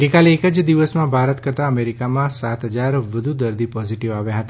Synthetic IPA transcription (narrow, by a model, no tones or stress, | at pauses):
ɡekaleekəd͡ʒd̪iʋəsmãbʱaɾət̪kəɾt̪aəmeɾikamãsat̪ɦəd͡ʒaɾʋəd̪ʱud̪əɾd̪ipɔziʈiʋaʋjãɦət̪a